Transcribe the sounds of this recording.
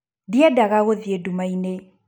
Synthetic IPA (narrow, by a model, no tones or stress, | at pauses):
diadaɣaɣoðiedumaine